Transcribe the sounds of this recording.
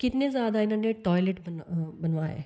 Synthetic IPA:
kɪt̪nezjaːd̪aɪnãːneʈɔːjleʈbɐnbɐnʋaːḛː

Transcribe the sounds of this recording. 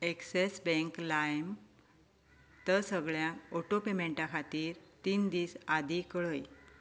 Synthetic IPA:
eksesbẽŋklajm | t̪əɾsəɡɭjãoʈopemeɳʈakʰat̪iːɾt̪iːnd̪iːsad̪ʱikɭəj

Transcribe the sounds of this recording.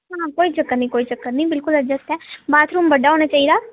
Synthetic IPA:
ɦakoːit͡ʃəkːət̪nəĩkoːit͡ʃəkːəɾnəĩbɪlkʊləd͡ʒəst̪ɛːbaːt̪ʰɾuːmbəɖʱaɦoːñat͡ʃaːɦid̪aː

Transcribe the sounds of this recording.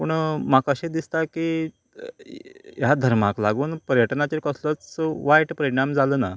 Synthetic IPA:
pəɳmakəɕẽd̪ist̪aki | jad̪ʱəɾmaklaɡuːnpəɾjəʈnat͡ɕekəslət͡sʋajʈpəɾiɽ̃amd͡zaləːna

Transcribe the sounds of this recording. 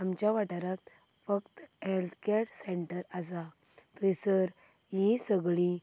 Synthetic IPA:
amt͡ɕjaʋaʈaɾat̪ | fəkt̪ɦelt̪ʰkeʈseɳʈəɾasa | t̪əjsəɾ | ɦĩsəɡɭi

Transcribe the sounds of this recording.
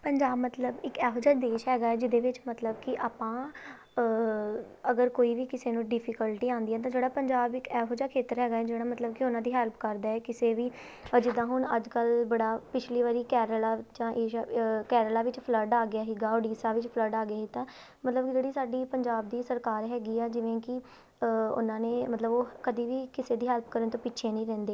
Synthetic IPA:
pəɲd͡ʒaːbmət̪ləbɪkɛːɦoːd͡ʒaːd̪eːʃɦɛːɡaːɛːd͡ʒɪd̪eːʋɪt͡ʃmət̪ləbkɪʔaːpãː | əɡəɾkoːiːʋiːkɪseːnũːɖɪpʰɪkəlʈiːãːnd̪iɦɛːt̪ãːd͡ʒeːɽaːpəɲd͡ʒaːbɪkɛːɦoːd͡ʒaːkʰeːt̪əɾɦɛːɡaːɛːd͡ʒeːɽaːmət̪ləb̚kɪʊnãːd̪iːɦəlpkəɾd̪aːɛːkɪseːʋiː | d͡ʒɪd̪ãːɦʊɳəd͡ʒkəlbəɽaːpɪt͡ʃʰliːʋaːɾiːkɛːɾəlaːd͡ʒãːʔeːkɛːɾəlaːʋɪt͡ʃpʰləɾɖaːɡɪjaːɦiːɡaːoːɖiːsaːʋɪt͡ʃpʰləɖaːɡɪjaːɦiːt̪ãː | mət̪ləbkd͡ʒeːɽiːsaːɖiːpəɲd͡ʒaːb̚d̪iːsəɾkaːɾɦɛːɡiːɛːd͡ʒɪʋẽːkɪ | ʊ̰nãːneːmət̪ləboːkəd̪iːʋiːkɪseːd̪iːɦəlpkəɾənt̪õːpɪːʃʰeːnəĩːɾɛ̃ːnd̪eː

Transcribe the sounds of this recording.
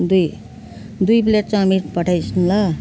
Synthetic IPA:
d̪uj | d̪ujpleʈ̚t͡sʌ̃miʈpʌʈʰajsʰunlʌ

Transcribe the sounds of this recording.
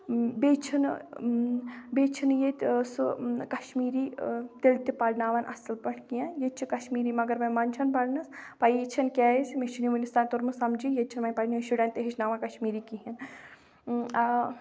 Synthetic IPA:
bet͡ʃʰin | bet͡ʃʰinjet̪ʲsukɐʃmiːɾiːt̪elt̪ipɐɽnaːʋanʔɐ̰sɨlpɐɳʰkijajet͡ʃʰikɐʃmiːɾimɐɡɐɾmɐjmant͡ʃʰɐnpɐɽnɐspajet͡ʃʰɐnkʲɛːismeʃiniʋɐnist̪aːnt̪oɾmusɐmd͡ʒijet͡ʃʰinmɐnpɐɽniʃuɽɐnt̪eɦit͡ʃʰnaːʋankɐʃmiːɾikiɦin

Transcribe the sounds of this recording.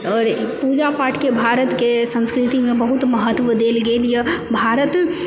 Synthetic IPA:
ɔːɾpud͡ʒapaːʈʰkebʱaɾət̪kesə̃nskɾit̪imẽbəɦut̪məɦət̪ːʋəd̪eːlɡeːljəbʱaɾət̪

